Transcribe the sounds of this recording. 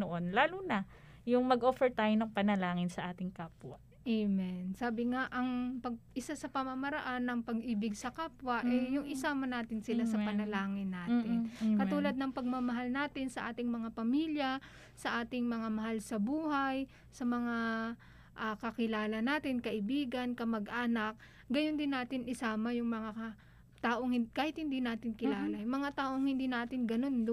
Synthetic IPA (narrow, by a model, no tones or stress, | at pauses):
noʔonlaːluna | jʊŋmɐɡʔoːfɛɹt̪aːjonɐŋpɐnɐlaːŋɪnsɐʔaːt̪ɪŋkaːpwɐ̰ | ʔemɛnsaːbɪŋaʔɐŋpɐɡ̚ʔɪsasɐpɐmɐmɐɾɐʔanːɐŋpɐɡʔiːbɪɡsɐkaːpwɐʔʔɛjjʊŋʔɪsaːmɐnaːt̪ɪnsɪlasɐpɐnɐlaːŋɪnːaːt̪ɪnkɐt̪uːlɐd̪̚nɐŋpɐɡ̚mɐmɐɦalnaːt̪ɪnsɐʔaːt̪ɪŋmɐŋapɐmiːljɐ | sɐʔaːt̪ɪŋmɐŋamɐɦalsɐbuːhaj | sɐmɐŋa | ʔakɐkɪlaːlɐnaːt̪ɪnkɐʔɪbiːɡɐnkɐmɐɡʔaːnɐk̚ | ɡɐjond̪ɪnːaːt̪ɪnɪsaːmɐjʊŋmɐŋa | t̪aːʔo̞ŋhɪkaːhɪt̪̚hɪnd̪inaːt̪ɪnkɪlaːlɐjmɐŋat̪aːʔoŋhɪnd̪iːnaːt̪ɪnɡɐno̞n